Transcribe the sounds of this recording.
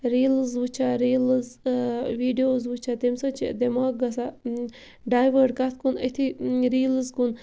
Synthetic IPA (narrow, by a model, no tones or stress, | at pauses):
ɾiːlɨzʋut͡ʃʰaɾiːlɨzʋiːɖijoːzwut͡ʃʰat̪emsɐt͡ʃʰid̪emaːk̚ɡɐsa | ɖaːjʋəɖkat̪ʰkunət̪ʰiɾiːlɨzkun